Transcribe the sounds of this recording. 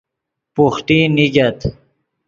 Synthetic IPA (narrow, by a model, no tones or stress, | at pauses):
puxʈiniɡɐt̪